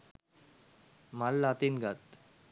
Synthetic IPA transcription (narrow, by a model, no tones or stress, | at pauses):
malːat̪inɡat̪